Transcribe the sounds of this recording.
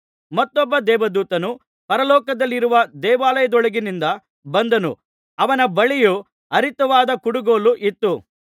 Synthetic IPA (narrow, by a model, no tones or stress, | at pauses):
mɐt̪ːɔbːɐd̪ɛːʋɐd̪uːt̪ɐnu | pɐɾɐlɔːkɐd̪ɐlːiɾuʋɐd̪ɛːʋaːlɐjɐd̪ɔɭɐɡinind̪ɐ | bɐnd̪ɐnṵ | ɐʋɐnɐbɐɭiju | ɐɾit̪ɐʋaːd̪ɐkuɽuɡoːluʔit̪ːu